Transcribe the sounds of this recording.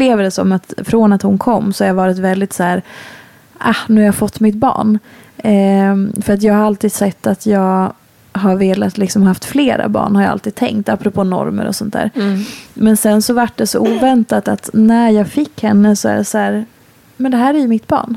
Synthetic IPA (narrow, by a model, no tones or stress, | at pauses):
pːleːvəd̪ɛsɔ̰mat̪fɾoːnat̪hʊnkʰɔmːsɔhaɾjavɑːɾɪt̪vɛld̪ɪt̪sæːɾ | ʔahnʉːjɑafɔt̪ːmɪt̪̚bɑ̰ːɳ | fœɾat̪̬jɑːɡhaɾalt̪iːd̪̥sɛt̪ːat̪ʰjɑːɡ | ɦaɾveːlat̪lɪksɔmhaaft̪fleːɾa̰bɑ̰ːɳhaɾja̰a̰lt̪iːd̪̚t̪ʰɛ̰ŋkt̪apːɾɔpʰoːnɔ̰ɾmə̰ɾɔ̰sɔnt̪ʰd̪æ̰ːɾmɛnsɛnsɔvaʈ̚ːɖɛsɔʔuːvɛnt̪at̪at̪næɾjɑːɡfɪkːhɛnːəsɔæ̰ɖɛsæːɾ | mɛnd̪ɛɦæːɾæjɵmɪt̪bɑ̰ːɳ